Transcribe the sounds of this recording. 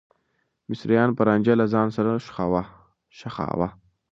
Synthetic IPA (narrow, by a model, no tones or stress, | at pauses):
mɪsɾijɑnpəɾand͡ʒalazɑːnsaɾaʃxawa | ʃaxɑ̰ːwa